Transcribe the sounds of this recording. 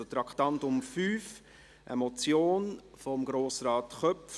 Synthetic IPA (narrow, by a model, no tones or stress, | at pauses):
ot̪ɾɑktɑntʊmfyːf | ʔə̰mɔt͡sjoːn | fɔmɡɾoːsɾɑːtχœpf